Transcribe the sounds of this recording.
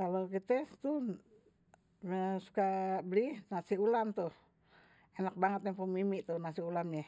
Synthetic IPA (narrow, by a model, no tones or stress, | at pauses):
kalokit̪ɛt̪u | əsu̥kabəlihnasiulamt̪uh | enak̚baŋət̪jaŋpumimiʔt̪uhnasiulamɲa